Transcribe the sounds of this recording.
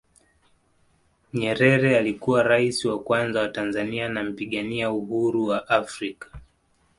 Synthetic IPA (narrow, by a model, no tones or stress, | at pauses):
ɲɛɾɛɾɛalikuwaɾaisiwakwanzawatanzanianam̩piɠaniauɦuɾuwaʔafɾikḁ